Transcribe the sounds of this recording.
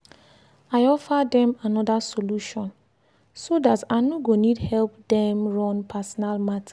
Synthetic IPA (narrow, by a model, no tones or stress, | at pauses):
aɪɔfadɛ̃manɔdasoluʃɔ̃n | sodataɪnoɡonidhɛlpdɛ̃mɹɔ̃npʰasɔnalmatʰḁ